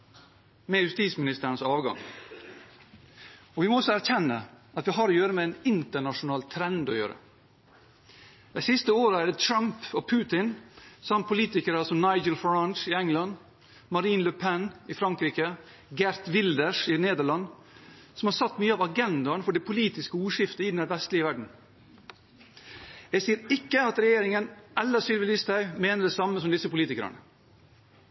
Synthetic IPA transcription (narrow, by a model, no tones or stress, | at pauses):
mɛjʉst̪iːsmɪnɪst̪əɾəɳəsɑːʋɡɑ̰ŋ | ɔʋɪmoɔsːɔæɾçɛnːəʔɑt̪ʋɪɦɑːɾoːjøːɾəmɛɛɪnɪnt̪əɳɑʂʊnɑːlt̪ʰɾɛnd̪ɔ̰jø̰ːɾə̰ | d̪̥æɪsɪst̪əoːɾəæɖət̪ʰɾɑmpɔpʰʉːt̪ɪnsɑmpʰʊliːt̪ɪkəɾəsɔmnɑɪd͡ʒəlfɹɑnʃɪɛŋlɑn | mɑɾiːnləpʰɛnʔɪfɾɑŋkɾiːkə | ɡæɾt̪ʋɪld̪əʂɪneːd̪əɭɑnː | sɔmhɑːɾsɑt̪ːmyːəɑʋɑɡɛnd̪ɑnfɔɖɛpʰʊliːt̪ɪskəuːʂɪft̪əɪd̪næɾʋɛst̪lɪəʋæɖɳ̩ | jæɡsiːɾɪkːəɑt̪ɾɛjeːɾɪŋənʔɛlːəsʏlʋɪlɪst̪æmeːnəɖɛsɑmːəsɔmd̪ɪsəpʊliːt̪ɪkəɾə̰nə̰